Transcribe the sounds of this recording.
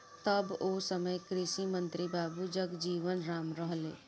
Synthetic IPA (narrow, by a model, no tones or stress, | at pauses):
t̪ɐboːsəməjkɾɪʃimə̃nt̪ɾibaːbud͡ʒəɡd͡ʒiːʋənɾaːmɾəɦlḛː